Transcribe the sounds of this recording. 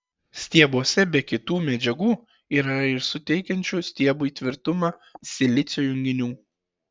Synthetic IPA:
sʲt̪ʲiɛbuːɔsʲɛbʲɛkʲɪt̪uːmʲɛd͡ʒʲɛɡuː | iːɾɐɪɾsʊt̪ʲɛɪkʲɛnʲt͡ʃʲuːsʲt̪ʲiɛbuːiːˑt̪ʲʋʲɪɾt̪ʊmɑː | sʲɪlʲɪt̪sʲjoːjʊŋʲɡʲɪnʲuː

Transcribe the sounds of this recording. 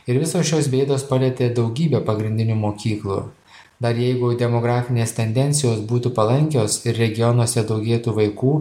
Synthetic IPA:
ɪɾʋʲɪsoːsʃʲoːsʋʲeɪd̪oːspɐlʲɛt̪ʲeːd̪ɒʊɡʲiːbʲɛːpɐɡɾʲɪnʲd̪ʲɪnʲuːmoːkʲiːklˠṵ | d̪ɐɾjɛɪɡʊd̪ʲɛmoɡɾɑːfʲɪnʲeːst̪ʲɛnʲd̪ʲɛnʲtsʲɪjoːsbuːt̪uːpɐlˠɐŋʲkʲoːsɪɾɾʲɛɡʲɪjɔnwɔsʲɛd̪ɒʊɡʲeːt̪uːʋɐɪkuː

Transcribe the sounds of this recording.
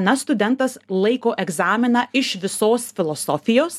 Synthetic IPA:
nɐst̪ʊd̪ʲɛnt̪ɐslˠɐɪkoːʔɛɡzɑːmʲɪnɐɪʃʋʲɪsoːsfʲɪlˠɔsɔfʲɪjoːs

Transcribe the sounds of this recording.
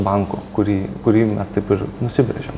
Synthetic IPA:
bɐŋko̰kʊɾʲiːkʊɾʲiːmʲɛst̪ɐɪpɪɾnʊsʲɪbʲɾʲḛʒʲɛ̰m

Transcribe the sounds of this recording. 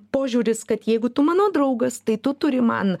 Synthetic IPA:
poːʒʲuːɾʲɪskɐt̪jɛɪɡʊt̪ʊmɑːnoːd̪ɾɐʊɡɐst̪ɐɪt̪ʊt̪ʊɾʲɪmɐ̰n

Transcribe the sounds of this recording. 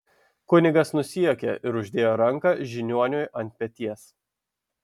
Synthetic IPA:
kʊnʲɪɡɐsnʊsʲiokʲɛ̰ʔɪɾʊʒʲd̪ʲeːjoːɾɐŋˑkɐʒʲɪnʲuɔnʲʊjɐnʲt̪̚ʲpʲɛt̪ʲiɛs

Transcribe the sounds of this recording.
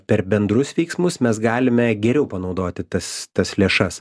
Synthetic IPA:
pʲɛɾbʲɛnd̪ɾʊsʋʲɛɪksmʊsmʲɛs̬ɡɑːlʲɪmʲɛɡʲɛɾʲɛʊpɐnɒʊd̪oːt̪ʲɪt̪ɐst̪ɐslʲeːʃɐs

